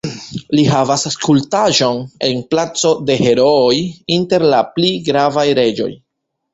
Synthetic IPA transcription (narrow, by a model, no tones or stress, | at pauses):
lihavasaskultaʒo̞ne̞nplat͡so̞de̞he̞ɾo̞ːjinte̞ɾlapliɡɾavajɾe̞d͡ʒo̞̰j